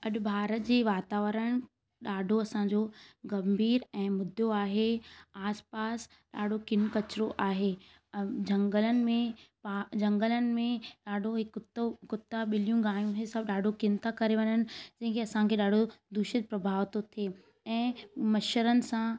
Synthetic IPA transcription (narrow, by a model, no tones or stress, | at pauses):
ɐɗbʱaːɾət̪d͡ʑeːʋaːt̪aːʋəɾəɽ̃ | ɗaːɖʱoɐsãɲd͡ʑoɡɐmbʱiːɾɛ̃ːmʊd̪ʱjoaːɦeaːspaːs | ɗaːɖʱokɪnkɐt͡ɕɪɾoʔaːɦe | d͡ʑɐ̃ŋɡələnɪ̆mẽpad͡ʑɐ̃ŋɡələnɪ̆mẽɗaːɖʱoɦɪkt̪kʊt̪ːaɓɪlijũɡaːjũɦesɐb̚ʱɗaːɖʱokɪnt̪ʰakɐɾeʋɐɲənɪ̆d͡ʑɐ̃ɦɪ̃ŋkeɐsãkʰeɗaːɖʱod̪ʊʃɪd͡ʑpɾɐbʱaːʋt̪ot̪ʰie | ɛ̃ːmɐʃəɾənɪ̆sã